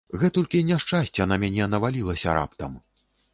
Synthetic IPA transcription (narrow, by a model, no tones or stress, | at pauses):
ɣɛt̪ɔlʲkʲinʲaʂt͡ʂasʲt͡sʲɛanamʲanʲɛnɐvalʲilˠɐsʲɐɾʔa̰pt̪ɐm